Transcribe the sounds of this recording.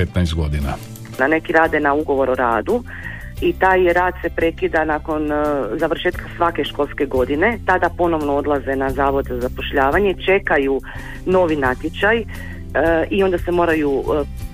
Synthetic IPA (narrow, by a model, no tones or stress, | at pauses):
et̪najst̪ɡod̪ina | nane̞kiɾaːd̪jenauɡo̞ʋo̞ɾoɾaːd̪u | it̪aːjɾaːd̪̥se̞pɾe̞kid̪anako̞nzaʋr̩ʃe̞ːt̪kʰḁsʋake̞ʃko̞lˠske̞ɡo̞d̪ine̞t̪ad̪apo̞no̞ʋnood̪lˠaze̞nazaːʋo̞d̪zazapo̞ʃʎaːʋaɲe̞t͡ʃe̞kaju | no̞ʋinat̪jet͡ʃaj | io̞nd̪ase̞mo̞ːɾaju